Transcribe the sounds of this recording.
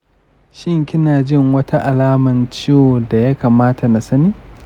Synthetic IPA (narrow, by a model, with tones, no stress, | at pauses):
ʃɪ˦ŋkʲɪ˦naː˨d͡ʒɪ˦˨ŋwɐ˦ta˦ʔa˨laː˦mɐ˨nt͡ʃɪ˦jo˨da˨ja˦kaː˨maː˦ta˨na˨sɐ˦niː˦